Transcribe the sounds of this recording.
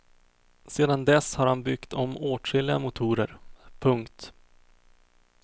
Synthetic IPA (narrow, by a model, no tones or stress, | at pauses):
seːd̪and̪ɛshaɾhanbʏkt̪ʰɔmoːʈɾɪlɪa̰mʊt̪ʰuːɾə̰ɾpʰɵŋkt̪